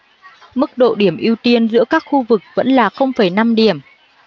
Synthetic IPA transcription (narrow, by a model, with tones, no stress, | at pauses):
mɨ˦˥k̚ɗo̰˧˨ɗi˧˩əmʔi˧əwt̪i˧ənzɨ̰˧˥əkaː˦˥k̚xu˧vɨ˨˩k̚və̰˧˥nlaː˨˩xə˧wŋ͡mfə˨˧˩jna˧mɗi˧˩əm